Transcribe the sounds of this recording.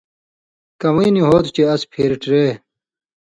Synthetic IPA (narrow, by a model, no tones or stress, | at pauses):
kɐwiːniɦoːt̪t͡ɕeɐspʰeːɾʈɾeː